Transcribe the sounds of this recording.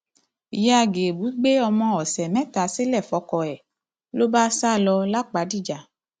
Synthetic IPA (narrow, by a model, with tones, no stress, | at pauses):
ja˧ɡe˨bu˨˦ɡ͡be˦ɔ˧mɔ̃˧ɔ˨sɛ˨mɛ̃˦t̪a˨se˦lɛ˦˨fɔ˧˦kɔ˨ɛ˨ | lo˦ba˦sa˦˨lɔ˧la˦k͡pa˨˦di˦˨d͡ʒa˨